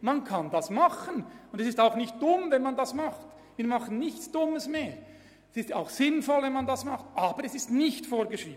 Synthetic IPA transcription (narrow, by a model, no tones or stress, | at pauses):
mankʰɑndɑsmɑχənʊndɛsɪstaʊxnɪçt̚d̥ʊmvɛnmɑndɑsmɑχt | viːmɑχən̩nɪçtt͡sd̥ʊməsmeːɾ | ɛsɪsta̰ʊxsɪnfɔlvɛnmandɑsmɑχtʔaːbəɾɛsɪstnɪçtfoːɾɡəʃɾiːbn